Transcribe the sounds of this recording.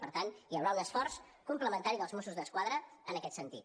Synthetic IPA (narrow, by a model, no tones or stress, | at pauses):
pəɾt̪anijəwɾaunəsfɔrs | kumpləmənt̪aɾiðəlˠzmosuzðəskwaðɾəːnəkɛt̪sənt̪it̪